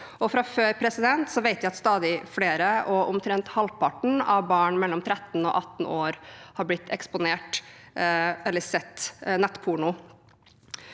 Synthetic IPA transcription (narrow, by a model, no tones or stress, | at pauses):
ɔfɾɑføːɾpʰɾɛsɪd̪ɛnt̪sɔʋeɪt̪jæɪɑt̪st̪ɑːd̪ɪfleːɾəʔɔʊmt̪ʰɾɛnt̪hɑlpɑʈɳ̩ɑʋbɑːɳmɛlːɔmt̪ʰɾɛt̪ːn̩ɔ̰ʔɑt̪ːn̩oːɾhɑblɪt̪ʰːɛkspʊneːʈ | ɛlːəsɛt̪ːnɛt̪ːpʰuɳʊ